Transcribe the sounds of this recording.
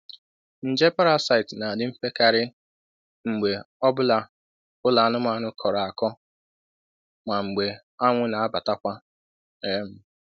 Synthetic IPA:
n̩˨d͡ʒe˦pa˦ɾa˦sa˨ɪ˨tna˨dɪ˨m̩˦fe˦ka˨ɾɪ˦ | ŋ͡m̩˨ɡ͡be˨ | ɔ˦bʊ˦la˦ | ʊ˦la˨nʊ˦ma˨˦nʊ˦kʰɔ˨ɾa˨a˨kɔ˦ | ma˨ŋ͡m̩˨ɡ͡be˨ | a˦ŋʷʊ˦na˨a˦ba˨ta˦kʷa˦ | e˦m̩˦

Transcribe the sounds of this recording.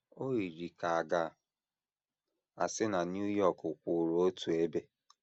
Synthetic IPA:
o˦i˨ɾi˨ka˨a˨ɡa˨ | a̰˨sɪ˦na˨n˦u˦jɔ˦˨kʊ˨k͡pʷu˨ɾo˦o˦tu˨e˦be˦

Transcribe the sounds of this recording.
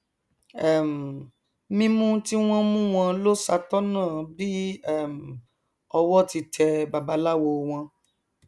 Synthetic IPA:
ɛ˦˨m̩˨ | mĩ˦nũ˦ti˦w̃ɔ̃˦mũ˦w̃ɔ̃˧lo˦sa˧tɔ˦nãː˦˨bi˦ɛ˦˨m̩˨ | ɔ˧wɔ˦ti˧tʰɛ˧ba˨ba˧˦la˦wo˧w̃ɔ̃˧

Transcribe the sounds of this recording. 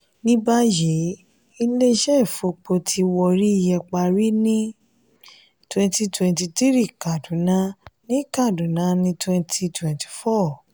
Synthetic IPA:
nĩ˦ba˦je˨˦ | i˧le˦ʃɛ˦˨fo˧k͡po˧tʰi˧wɔ˧ɾi˦i˧˨jɛ˧k͡pa˧ɾi˦nĩ˦ | twɛ̃˧nti˧twɛ̃˧nti˧ti˦ɾi˦˨ka˨dũ˨˦nã˧˦nĩ˦ka˦˨du˨nã˨˦nĩ˧twɛ̃˧ntʰi˧twɛ̃˨nti̥˨fɔ˦˨

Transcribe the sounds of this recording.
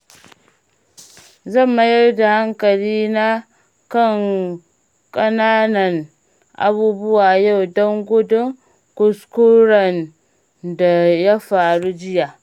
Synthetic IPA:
zɐ˦˨mːa˨jɐ˦rda˨ha˦ŋkɐ˨liː˦na˦ | kɐ˦˨ŋ | kʼɐ˦naː˦nɐ˨n | ʔa̰˨buː˦bʊ˦waː˨ja˦˨wdɔ˦ŋɡʷʊ˦dʊ˦ŋ | kʊ˨skʊ˦ɾɐ˨n | da˨ja˦ɸaː˨ɽu˦d͡ʒɪ˦ja˨

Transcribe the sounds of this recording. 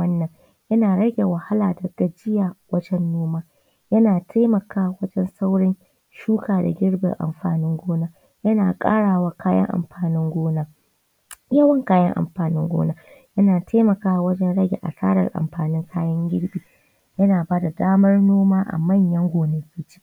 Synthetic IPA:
ɐ˦nːɐ˨ŋ | jɐ˦naː˨ɽɐ˦ɡʲe˨wɐ˨ha˦laː˨dɐ˨ta˨d͡ʒɪ˦ja˨wɐ˦d͡ʒɛ˦nːoː˦maː˦ | jɐ˦naː˨tʰa˦mɐ˨kaː˦wɐ˦d͡ʒɛ˦nsa˦wɽɪ˦n | ʃuː˦kaː˨da̰˨ɡʲɪ˦ɽbɪ̰˨ŋʔa̰˨mɸa̰ː˨nɪ˦ŋɡʷoː˦naː˦ | jɐ˦naː˨kʼa̰ː˦ɽaː˨waː˦kʰaː˦jɐ̰˦ŋʔa̰˨mɸaː˨nɪ˦ŋɡʷoː˦naː˦ | jɐ˦wɐ˦ŋkaː˦jɐ̰˦ŋʔa̰˨mɸaː˨nɪ˦ŋɡʷo̰ː˦naː˦ | jɐ˦naː˨tʰa˦mɐ˨kaː˦˨wɐ˦d͡ʒɛ˦nɽɐ˦ɡʲḛ˨ʔa̰˨sa̰ː˦ɽɐ̰˨rʔa̰˨mɸaː˨nɪ˦ŋkʰaː˦jɐ˦ŋɡʲɪ˦ɽɓiː˨ | jɐ˦naː˨baː˦da˨daː˦mɐ˦rnoː˦maː˦ʔa̰˨mɐ˦˨ɲjɐ˦ŋɡʷoː˨ne˦kʲiː˦t͡ʃi̥˦

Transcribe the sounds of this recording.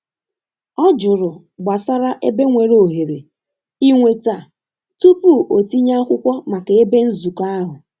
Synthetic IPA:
ɔ˦d͡ʒʊ˨ɾʊ˨ | ɡ͡ba˨sa˦ɾa˦ʔe˦be˦ŋʷe˨ɾo˨ɦe˨ɾe˨ | i˦ŋʷe˦ta˦˨ | tu˦pu˦˨o˨ti˦ɲa˦kʷʊ˦kʷɔ˦ma˨ke˨e˦be˦n̩˦zu˨ka˦a˦ɦʊ˨

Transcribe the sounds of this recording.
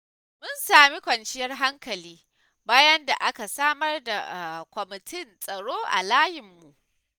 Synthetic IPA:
mʊ˦nsaː˨mi˦kʷɐ˨nt͡ʃɪ˦jɐ˦rɦa˦ŋkɐ˨liː˦ | baː˦jɐ˦nda˨ʔa˦ka˨saː˦mɐ˦rda̰˨kʷɔ˨mɪ˨tʰɪ˦nsʼɐ˨ɽoː˦ʔa̰˨laː˦jɪ˨mːu˨ʔ

